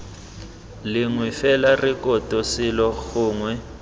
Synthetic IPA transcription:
liŋwifɛlarikʼɔtʼɔsilɔxuːŋwɛ

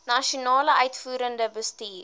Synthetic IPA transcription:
nɐʃionɑːləʔœɥtfuːɾəndəbəstiːr

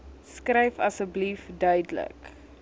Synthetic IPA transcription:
skrɛjfɐsəblifdœɥdələ̰k

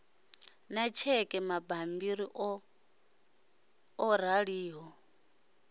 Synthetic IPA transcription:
nat͡ʃʰɛkʼɛmabambiɾiʔ | ɔɾ̤aɺiːɦɔ

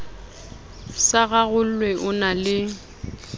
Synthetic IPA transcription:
saɣaɣʊl̩lwɛʔʊnalɪ

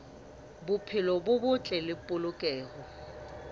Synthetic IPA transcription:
bʊpʰɪlɔbʊbʊt͡ɬʼɛlɪpʼʊlʊkʼɛːɣɔ

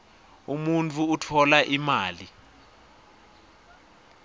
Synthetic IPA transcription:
umunt͡fʰʼuːtʰɔlaʔimaːli

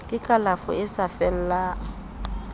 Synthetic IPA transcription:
kʼɪkʼalafʊ̰ɪsafɛl̩laː

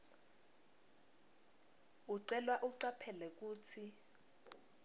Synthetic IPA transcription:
uǀɛlwaʔuǀapʰɛlɛk̬uːt͡sʰi

